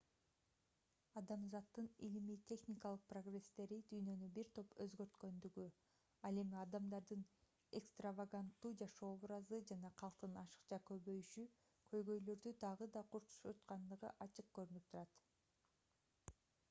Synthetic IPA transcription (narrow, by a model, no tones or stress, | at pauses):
ɑd̪ɑmzɑt̪ːɯnḭlimit̪ʰʲe̞xnʲikalˠɯq̚pro̞ɡre̞st̪e̞ɾid̪yjnø̞nybiɾt̪ʰo̞pøzɡø̞ɾt̪kø̞nd̪yɡy | ɑlˠe̞miɑd̪ɑmd̪ɑɾd̪ɯn | ekst̪ravaɡant̪ːuːd͡ʒɑʃo̞ːoβɾɑzɯd͡ʒɑnɑqʰɑlˠqt̪ɯnɑʃɯ̥qt͡ʃɑkø̞βø̞jyʃy | kʰø̞jɡø̞jlø̞ɾd̪yd̪ɑʁɯd̪ɑqʰuɾt̪u̥ʃøt̪qɑnd̪ɯʁɯ̰ʔɑt͡ʃɯq̚køɾynyp̚t̪ʰuɾɑt̪